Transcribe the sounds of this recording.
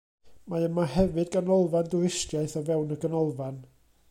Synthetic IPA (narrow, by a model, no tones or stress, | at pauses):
maəmahɛvɨdɡənɔlˠvandʊɪstjaɨθɔvɛwnəɡənɔlˠvan